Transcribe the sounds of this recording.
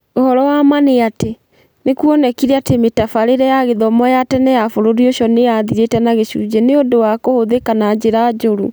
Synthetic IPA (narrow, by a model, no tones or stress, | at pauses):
ohɔɾɔwamaneate | nekuɔnɛkiɾeatemetafaɾeɾɛjaɣeðɔmɔjatɛnɛjafoɾoɾioʃɔneaðiɾetɛnaɣeɕṵd͡ʑɛneondowakohoðekanad͡ʑeɾad͡ʑoɾu